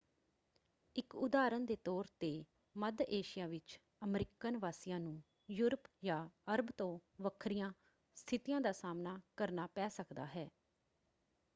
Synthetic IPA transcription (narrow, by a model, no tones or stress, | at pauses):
ɪkʊd̪aːɾənd̪eːt̪ɔːɾt̪eː | məd̪eːʃɪjaːʋɪt͡ʃ | əmɾɪkənʋaːsɪjãːnũː | juːɾəpjaːəɾəbt̪õːʋəkʰɾijãː | st̪ʰɪt̪ijãːd̪aːsaːmnaːkəɾnaːpɛːsəkd̪a̰ːɦɛː